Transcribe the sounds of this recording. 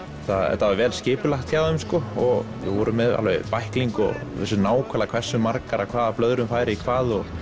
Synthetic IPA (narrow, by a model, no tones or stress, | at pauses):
θaðɛ̰ɾt̪aavɛːlscɪːpʏlaxt̪çaðʏmskɔɔɣvɪ̰ɣvɔɾʏmːɛða̰lvɛjpajhkliŋkɔ̰ɣɛ̰sːʏnaːwkʰvɛlakʰv̥ɛ̥sːʏmaɾkaɾakʰvaːðaplœðɾʏmfaːjɾɪikʰvaːðɔɣ